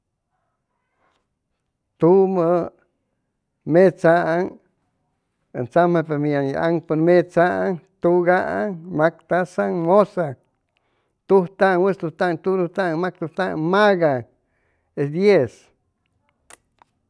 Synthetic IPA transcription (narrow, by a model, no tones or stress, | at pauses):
t̪umə | met͡saʔŋ | ḛnt͡samepemiaŋia̰ŋpoɾmet͡saʔaŋt̪uɡaʔaŋmakt̪asaŋmosa | t̪uht̪aŋwest̪ut̪aŋt̪ud̪ut̪aŋmak̚t̪ut̪aŋmaɡa | esd̪jes